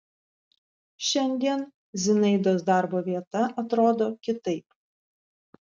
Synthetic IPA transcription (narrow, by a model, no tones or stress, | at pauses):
ʃʲɛnʲd̪ʲiɛn | zʲɪnɐɪd̪oːsd̪ɑˑɾboːʋʲiɛt̪ɐʔɐt̪ɾoːd̪oːkʲɪt̪ɐɪp